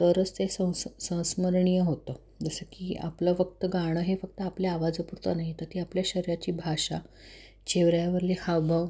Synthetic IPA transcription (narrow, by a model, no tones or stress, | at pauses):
t̪əɾət͡st̪esə̃sə̃w̃sməɾɳijəɦot̪ə | d͡zəsəkiːa̰pləfək̚t̪əɡaɽ̃əɦefək̚t̪əapleaʋad͡zəpuɾt̪ənaɦit̪əɾt̪iːapljaɕəɾjat͡ɕiːbʱaɕa̰ | t͡ɕeʋɾjaʋəɾlekʰaʋbʱəʋ